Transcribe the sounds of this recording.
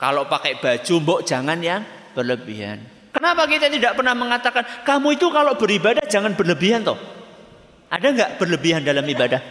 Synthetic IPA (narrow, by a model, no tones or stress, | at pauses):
ka̰loʔpakɛʔb̥ḁd͡ʒ̥umbɔʔd̥ʒ̥aŋanjaŋ | b̥ərləbiɦa̰n | kənapakit̪at̪idaʔpərnahməŋat̪akankamuit̪ukaloʔb̥əɾibadahd͡ʒaŋanb̥ərləbiɦant̪ɔh | ʔadaŋɡaʔb̥ərləbiɦandalamibadah